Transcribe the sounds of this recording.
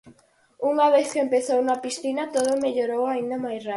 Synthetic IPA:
uŋaβeθkeempeθownapisθinɐt̪oðʊmeʎoɾowaĩnd̪ɐmajsra

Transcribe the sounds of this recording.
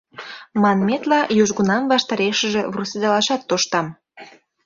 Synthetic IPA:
mɑnmet̪lɑjoʒɣunɑmvɑʃt̪ɑɾeʃəʒeβrused̪ɑlɑʃɑt̪ːoʃt̪ɑm

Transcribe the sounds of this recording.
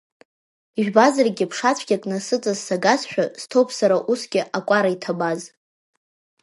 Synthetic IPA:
iʒᶣbazarɡʲɪpʰʂat͡sʷʰɡʲakʼnasɨt͡sʼazsaɡasʃᶣaz̥tʰowpʰsaɾaʔusɡʲɪʔakʷʼaɾaitʰabaz

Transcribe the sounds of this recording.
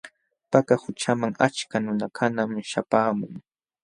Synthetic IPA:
pakahʊt͡ʃamaŋat͡ʃkanʊnakʰanamʃapaːmʊŋ

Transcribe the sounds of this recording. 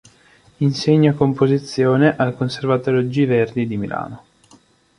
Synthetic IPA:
inseɲːakompozit̪sːjoːneʔalkonservat̪oːɾjod͡ʒiverd̪id̪imila̰ːno

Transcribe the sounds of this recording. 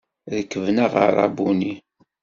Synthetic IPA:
ðəkːəvnaʁə̰rˤɑ̰buni

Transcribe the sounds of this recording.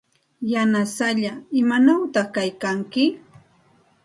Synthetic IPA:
janasaʎaɪmanawt̪ɑχkajkaŋkɪ

